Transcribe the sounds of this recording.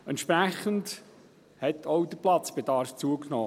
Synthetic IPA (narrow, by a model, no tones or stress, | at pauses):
ɛnt̪ʃpɾæχənd | hɛt̪ʰowd̪əplɑt͡sb̥ed̥̪ɑːɾft͡suəknɔ̰ː